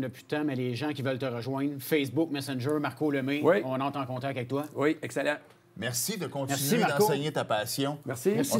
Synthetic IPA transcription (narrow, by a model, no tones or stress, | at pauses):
ləpy̥t̪ãmɛleʒãkʲivœlt̪əʁəʒwɛ̃nfɛsbʊk̚mɛsɛnʒə˞maʁkoləmẽwiɔ̃nɑ̃t̪ɑ̃kɔ̃t̪akavɛk̚t̪wawiɛksɛlã | mɛʁsid̪əkɔ̃tmɛʁsimad̪ɑ̃sɛɲet̪apasjɔ̃mɛsiɛs